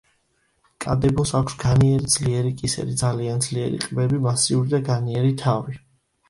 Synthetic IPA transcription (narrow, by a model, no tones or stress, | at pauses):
kʼad̪ɛbɔsakʷʰsɡaniɛɾid̪z̥liɛɾikʼisɛ̰ɾid̪zaliand̪zliɛɾḭqʼbɛbimasiuɾid̪aɡaniɛɾit̪ʰavi